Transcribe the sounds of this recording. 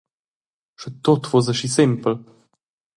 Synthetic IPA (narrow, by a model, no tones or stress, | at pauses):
ʃət̪ot̪vozəʃisɪmpl̩